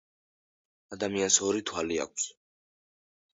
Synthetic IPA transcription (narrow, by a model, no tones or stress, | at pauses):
ad̪amiansɔɾit̪ʰwalia̰k̚ʷʰs